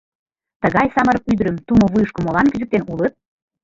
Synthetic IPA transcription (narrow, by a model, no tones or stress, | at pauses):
t̪əɣɑjsɑməɾyd̪ɾə̆mt̪umŏβujəʃkə̆molɑnkyzɘ̆k̚t̪enulət̪̚